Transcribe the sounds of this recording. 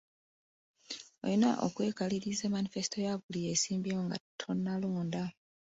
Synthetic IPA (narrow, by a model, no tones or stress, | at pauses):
o̰jina̰ʔo̰kwe̞ːkaliɾizeːmanife̞si̥tʰo̞jaβulije̞ːsiːmbijoːŋɡa̰tʰonːaloːnda